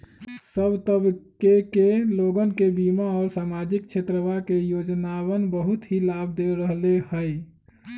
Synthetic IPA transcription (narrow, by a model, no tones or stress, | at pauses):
səbt̪əbkekeloɡənkebimaɔːɾsamad͡ʒik̚t͡ʃʰet̪ɾəʋakejod͡ʒnawənbəɦut̪ɦilab̚d̪eɾəɦlehəj